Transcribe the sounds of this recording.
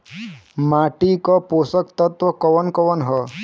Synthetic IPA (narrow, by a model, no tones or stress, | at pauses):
maʈikɔposəkt̪ət̪ʋɔkɔʋənkɔʋənɦɔ